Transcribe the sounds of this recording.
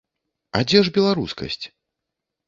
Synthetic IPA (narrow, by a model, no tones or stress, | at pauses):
a̰d͡zʲɛʐbʲɛlˠaɾuskɐ̰sʲt͡sʲ